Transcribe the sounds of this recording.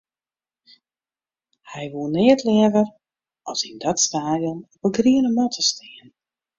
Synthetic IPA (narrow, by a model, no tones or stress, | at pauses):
hɛjʋuənɪətlɛəvər | ʔɔsindɔtstaːdjɔnɔpəɡriənəmɔtʰəstɪən